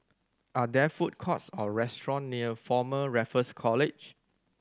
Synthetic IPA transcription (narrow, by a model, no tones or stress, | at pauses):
ʔadɛfut̚kʰɔtsɔɹɛstɹɔ̃nːiəfɔməɹɛfəskʰɔlɪd͡ʒ